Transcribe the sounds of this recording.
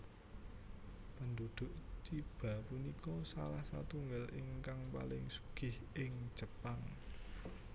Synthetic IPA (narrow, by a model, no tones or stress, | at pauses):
pənd̪ud̪̥ʊ̤ʔt͡ʃib̥a̤punikɔsalahsat̪uŋɡɛlʔɪŋkaŋpa̰lɪŋsu̥ɡ̥ɪhɪŋ̥ʒ̥ə̤paŋ